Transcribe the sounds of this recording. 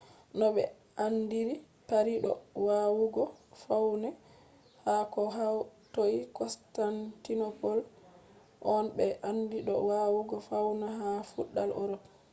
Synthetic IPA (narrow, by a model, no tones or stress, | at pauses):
nɔɓɛ̰ | andiɾi | paɾiɗɔ̰wawuɡɔfawnɛ | hakɔɦatoikɔstantinɔpɔl | ʔɔnbɛʔandiɗɔ̰wawuɡɔfawnaɦafuɗːalɔ̰ɾɔk